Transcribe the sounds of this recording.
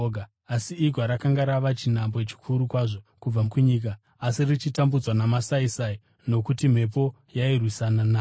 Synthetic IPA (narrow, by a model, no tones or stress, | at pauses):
ɡʱa | asiːɡwaɾakaŋɡaɾaʋat͡ʃinambot͡ʃi̥kʰuɾukwaʐo̞kub͡vakuɲiːk̬aː | sirit͡ʃitambud͡zwanamasaisai | no̞kutim̤e̞p̬o̞ | jairwisananaː